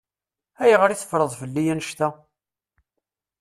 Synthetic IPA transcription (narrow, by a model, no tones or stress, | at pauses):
æjʁəɾiθə̥fɾˤəðˤfəlːijænəʃt̪æ